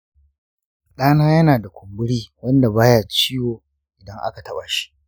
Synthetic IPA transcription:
ɗaː˦naː˦jɐ˦naː˨da˨kʷʰʊ˨mbʊ˦ɽiː˦wɐ˦nda˨baː˦jaː˨t͡ʃiː˦joː˨ | ʔɪ˨dɐ˦ŋʔa̰˦ka˨tɐ˦ɓaː˨ʃi̥˦ʔ

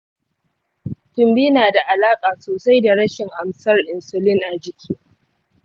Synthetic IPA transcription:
tʊ˨mbiː˦naː˨da˨ʔa˨laː˦kʼaː˨soː˨sa˦jda˨ɽɐ˦ʃɪ˨ŋʔa˨msɐ˦rʔɪ˨nsʊ˨lɪ˦ŋʔa˨d͡ʒɪ˨kʲʰiː˦

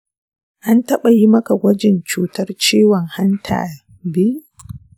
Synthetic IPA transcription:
ʔa˦ntɐ˦ɓa˨ji˦mɐ˦ka˨ɡʷɐ˦d͡ʒɪ˨nt͡ʃuː˦tɐ˦rt͡ʃiː˦wɔ˨ŋha˦ntʰa̰ː˨ | bi˦

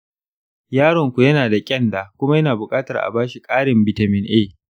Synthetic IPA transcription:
jaː˦ɽɔ˨ŋkʷu˨jɐ˦naː˨da˨kʲʼɛ˦nda˨kʷʊ˦ma˦jɐ˦naː˨bʊ˨kʼaː˦tɐ˨rʔa̰˨baː˦ʃi˨kʼaː˦ɽɪ˨mbɪ˨tɐ˨mɪ˦nʔeː˦˨

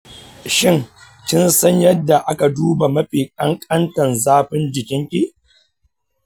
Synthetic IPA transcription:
ʃɪ˦ŋ | kʲɪ˦nsɐ˦ɲjɐ˦dːa˨ʔa˦ka˨duː˦ba˨mɐ˦ɸi˨kʼɐ˦ŋkʼɐ˦ntɐ˨nzaː˦ɸɪ˦nd͡ʒɪ˨kʲɪ˦ŋkʲi˦ʔ

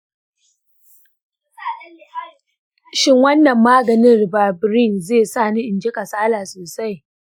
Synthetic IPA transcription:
ʃɪ˦ŋwɐ˦nːɐ˨mːaː˦ɡɐ˨nɪ˦nrbaː˨bɾɪ˦˨nzeː˦˨saː˦˨ni˦ʔɪ˨nd͡ʒɪ˦kʼa˨saː˦laː˨soː˨sa˦j

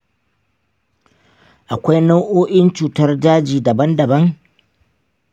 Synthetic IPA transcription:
ʔa˨kʷa˦jna˦wʔoː˦ʔɪ˦nt͡ʃuː˨tɐ˦rd͡ʒaː˦d͡ʒiː˨dɐ˨bɐ˦ndɐ˨bɐ˦ŋ

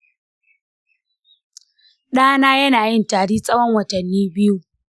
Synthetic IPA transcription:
ɗaː˦naː˦jɐ˦naː˨jɪ˦ntaː˨ɽiː˦sʼɐ˦wɔ˦ŋwɐ˨tɐ˨nːiː˦bɪ˦ju˦

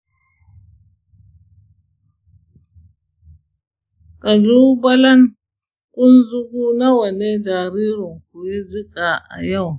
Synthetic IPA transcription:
kʼɐ˨lu˦bɐ˦lɐ˦ŋ | kʷʼʊ˦nzu˦ɡuː˦na˦wɐ˨ne˦d͡ʒaː˨ɾiː˦ɾu˨ŋk̚u˨ji˦d͡ʒi˦kʼa˨ʔa̰˨ja˦˨w

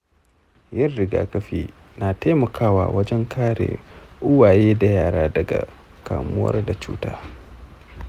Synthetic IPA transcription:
jɐ˦rːɪ˨ɡa̰ː˨kɐ˦ɸiː˦ | na˨teː˦mɐ˨kʰaː˦wa̰ː˨wɐ˦d͡ʒɛ˦ŋkʰaː˦ɽḛː˨ʔʊ˦waː˨jeː˦da˨jaː˦ɽaː˦dɐ˨ɡa̰˨ | ka̰ː˨mʊ˦wɐ̰˦rda˨t͡ʃṵː˦ta̰ː˦

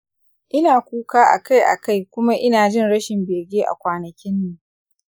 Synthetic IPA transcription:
ʔɪ˦naː˨kʷuː˦kaː˦ʔa̰˨ka˦˨jʔa̰˨ka˦˨jkʷʊ˦ma˦ʔɪ˦naː˨d͡ʒɪ˦˨nɽɐ˦ʃɪ˨mbeː˨ɡʲeː˦ʔa̰˨kʷaː˨nɐ˨kʲɪ˦nːiː˨

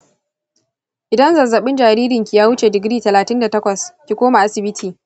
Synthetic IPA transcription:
ʔɪ˨dɐ˦nzɐ˨zɐ˨ɓɪ˦nd͡ʒaː˨ɾiː˦ɾɪ˨ŋkʲi˨jaː˦wʊ˦t͡ʃe˨dɪ˨ɡɾiː˦tɐ˨laː˨tɪ˦nda˨tɐ˦kʷɐ˨skʲi˨kʷoː˦ma˨ʔa˦sɪ˨bɪ˦tʰiː˨

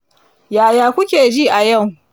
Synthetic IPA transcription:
jaː˨jaː˨kʷʊ˦kʲeː˨d͡ʒiː˦ʔa˨jɐ˦˨w

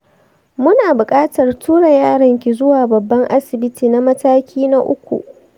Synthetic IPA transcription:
mʊ˦naː˨bʊ˨kʼaː˦tɐ˨rtuː˦ɽa˨jaː˦˨ɽɐ˨ŋkʲi˨zʊ˦waː˨bɐ˨bːɐ˦ŋʔa˦sɪ˨bɪ˦tiː˨na˦mɐ˦taː˦kʲʰiː˦na˦ʔʊ̰˦kʷṵ˨ʔ

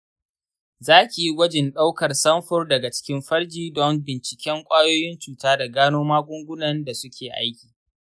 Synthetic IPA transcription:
zaː˦kʲi˨ji˦wʷɐ˦d͡ʒɪ˨nɗa˦wkɐ˨rsɐ˦mɸʊ˦rdɐ˨ɡa˨t͡ʃɪ̥˦kʲɪ˦mɸɐ˦rd͡ʒiː˦dɔ˦mbɪ˨nt͡ʃɪ˨kʲɛ˦ŋkʷʼaː˦joː˦jɪ˦nt͡ʃuː˨taː˦da˨ɡaː˦noː˦maː˦ɡʷʊ˦ŋɡʷʊ˦nɐ˨nda˨sʊ˦kʲʰeː˨ʔa̰a˦jkʲi̥ː˨

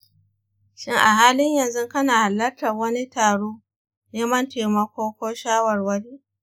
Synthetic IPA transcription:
ʃɪ˦ŋʔa˨ɦaː˦lɪ˦ɲjɐ˨nzʊ˦ŋkɐ˦naː˨ha˨lːɐ˦rtɐ˨wɐ˦ni˦taː˨ɽoː˦ | neː˦mɐ˦nteː˨mɐ˦kʷoː˦kʷoː˦ʃaː˦wɐ˨rwɐ˦ɽiː˦ʔ

